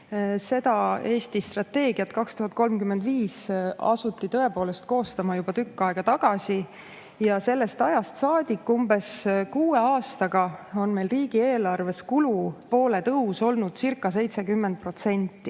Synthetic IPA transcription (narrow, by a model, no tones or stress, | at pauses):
se̞d̪̥ɑe̞ːsʲt̪ist̪rɑt̪ːe̞ːɡ̥iɑt̪kɑkst̪uɦɑt̪̚ˑko̞lmkymːed̪viːsɑ̰sut̪ːˑit̪ɤ̞e̞po̞ːle̞st̪̚ko̞ːst̪ɑmɑjub̥ɑt̪ykːɑeɡ̥ɑt̪ɑɡ̥ɑsi | jɑse̞lːe̞st̪ɑjɑst̪sɑːd̪̥ʲikːumbe̞skuːe̞ɑːst̪ɑɡ̥ɑo̞nme̞jlriːɡ̥ie̞ːlɑrve̞skulupo̞ːle̞t̪ɤuso̞lnud̪̥sirkːˑɑs̬e̞jt̪se̞kymːend̪̥̚pro̞t̪se̞nʲt̪ːi